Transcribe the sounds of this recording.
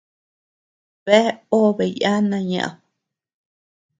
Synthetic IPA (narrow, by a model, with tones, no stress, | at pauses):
βe˦o˦βe˨ja˦nã˧ɲã̰˨ʔa̰˨